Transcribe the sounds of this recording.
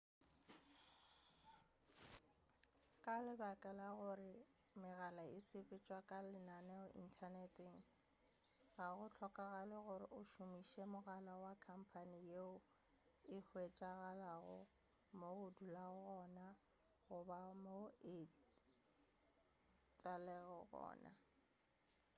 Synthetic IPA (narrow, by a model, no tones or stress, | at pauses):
kʼalɪbakʼɛlaɣʊrɪ | mɪɣalaɪsɪpʼɪt͡ʃʼwakʼalɪnanɛʊḭn̩tʰanɛtʼɪŋ̩ | ɣaɣʊt͡ɬʰɔkʼaɣalɪɣʊɾɪʔʊʃʊmiʃɛmʊɣalawakʰam̩pʰanijeʊ | ɪhwet͡ʃʼaɣalaɣʊ̰ | moʊdulaʊɣɔna | ɣʊbamoɪ | tʼalɛɣɔɣɔ̰ːna̰